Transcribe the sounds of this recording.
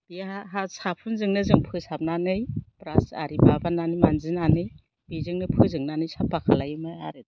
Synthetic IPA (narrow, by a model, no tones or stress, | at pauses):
b̥iaɦasapʰunzɯŋnɯzɯŋpʰɯsap̚nanɯjpɾasa̰ɾibabananɯjmanzinanɯj | b̥izɯŋnɯpʰɯzɯŋnanɯjsapːakʰalajɯmaa̰ɾɯd